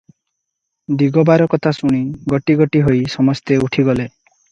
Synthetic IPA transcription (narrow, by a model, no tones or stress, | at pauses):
d̪iɡɔbaɾɔkɔt̪ʰasuɽ̃iɡɔʈiɡɔʈiɦojsɔmɔst̪euʈʰiɡɔle